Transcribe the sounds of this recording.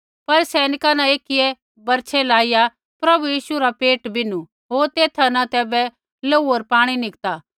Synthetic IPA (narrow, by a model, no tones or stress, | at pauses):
pɐɾsɛːnɪkanãeːkɪjɛ | bɐɾt͡ʃʰɛlaːɪja | pɾɐbujiːʃuɾapeːʈbɪnu | ɦoːɾt̪eːt̪ʰanãt̪ɛːbɛ | loːuoɾpaːɽ̃inɪkt̪aː